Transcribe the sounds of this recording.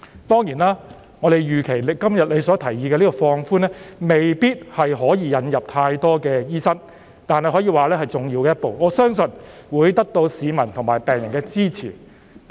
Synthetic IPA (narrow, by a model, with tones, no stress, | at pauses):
t̪ɔː˥ŋjiː˨˩naː˥ | ŋɔː˨˧ɾe˨jjyː˨˩kʰe˨˩jlɪ˨kɐ˥mjɐ˨t̚le˨˧jsɔː˨˥t̪ʰɐ˨˩jːiː˧kɛː˧liː˥kɔ˧fɔː˧ŋfuː˥nɛː˥me˨jpiː˥t̚hɐ˨jɦɔː˨˥jiː˨˧jɐ˨˧njɐ˨p̚t̪ʰaː˧jt̪ɔː˥kɛː˧jiː˥sɐ˥ŋ | t̪aː˨nhɐ˨jɦɔː˨˥jiː˨˧waː˨lɛː˥hɐ˨jt͡sʊ˨˩ŋjiː˧wkɛː˧jɐ˥t̚po˨wŋɔː˨˧˥sœː˥ŋsɵ˨˧nwuː˨˧jt̪ɐ˥k̚t̪o˧wsiː˨˧mɐ˨˩nt̪ʰʊ˨˩ŋmaː˨˩jpɛː˨ŋjɐ˨˩ŋkɛː˧t͡siː˥t͡sʰiː˨˩